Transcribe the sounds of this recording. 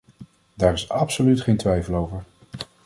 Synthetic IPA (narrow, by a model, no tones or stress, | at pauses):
daːɾɪsɑpsolytχejntʋɛjfəlˠowvəɹ